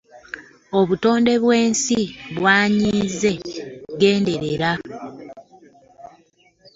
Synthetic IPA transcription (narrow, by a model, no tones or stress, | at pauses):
oβuto̞ːnde̞βwe̞ːnsiβwaːɲiːze̞ɡe̞ːnde̞ɾeɾa